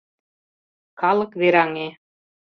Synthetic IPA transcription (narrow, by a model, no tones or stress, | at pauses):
kɑlɤ̆kβeɾɑŋe